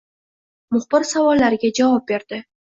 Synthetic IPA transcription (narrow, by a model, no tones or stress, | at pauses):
mʊχb̥ɪɾsavɒlːaɾɪɡʲad͡ʒavɑp̚be̞ɾd̪̥ɪ